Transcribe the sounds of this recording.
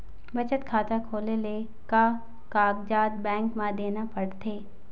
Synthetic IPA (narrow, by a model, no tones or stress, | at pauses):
bɐt͡ʃət̪kʰaːt̪akʰoːlele | ka | kaːɡd͡ʒaːd̪̚bɛ̃ːŋkmãd̪eːnapɐɽt̪ʰeː